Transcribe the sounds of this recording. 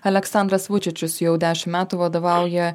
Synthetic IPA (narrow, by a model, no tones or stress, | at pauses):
ɐlʲɛksɑnd̪ɾɐsʋʊt͡ʃʲɪt͡ʃʲʊsjɛʊd̪ʲæːʃʲɪmmʲæːt̪uʋɐd̪oːʋɑˑʊjɛ